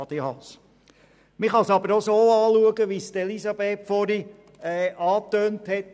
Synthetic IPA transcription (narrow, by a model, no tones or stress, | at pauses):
ɑd̥̪ehɑs | mɪχɑsɑbəɾosoːɑːluəɡəʋist̪elisɑbeːpfɔɾi | ɛːʔɑːtøːnthɛt